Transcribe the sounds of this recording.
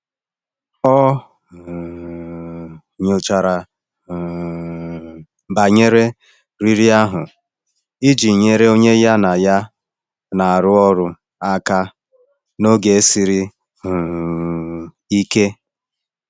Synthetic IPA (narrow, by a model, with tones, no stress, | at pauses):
ɔ˦˨ | ɲo˨t͡ʃa˨ɾa˨ | ba˨ɲe˦ɾe˦ | ɾi˦ɾi˦a˦ɦʊ˨ | i˦d͡ʒi˨ɲe˦ɾe˦o˦ɲe˦ja˦na˨ja˦ | na˨a˨ɾʊ˦ɔ˦ɾʊ˦ | a˦ka˦ | no˦ɡe˨e˦si˨ɾi˦ | ɦʊ˨ | i˦ke˦